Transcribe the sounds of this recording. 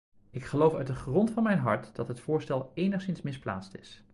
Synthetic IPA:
ɪkχəlowfœ̰ɥt̚dəχrɔntfɑnmɛjnɦɑ̰ɹtd̥ɑtɦətfʊːɹstɛlˠejnəχsɪnsmɪspla̰ːtstɪs

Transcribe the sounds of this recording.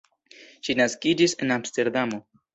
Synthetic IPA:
ʃinaskid͡ʒise̞namste̞ɾd̪amo̞

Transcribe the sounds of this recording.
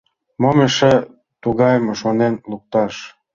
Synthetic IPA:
momeʃe | t̪uɣɑjmoʃonenluk̚t̪ɑʃ

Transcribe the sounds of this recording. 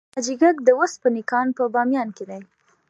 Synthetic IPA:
ad͡ʒiɡakd̪əwospənɪkɑnpəbɑmjɑnked̪aj

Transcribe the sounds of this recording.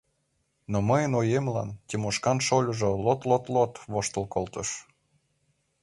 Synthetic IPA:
noməjənojemlɑ̰ntʲemuʃkɑnʃolʲuʒolot̪lˠot̪lot̪βoʃt̪ə̆lˠkolt̪ɤʃ

